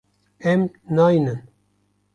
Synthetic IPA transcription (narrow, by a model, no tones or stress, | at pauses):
ɛmnɑːjnɨn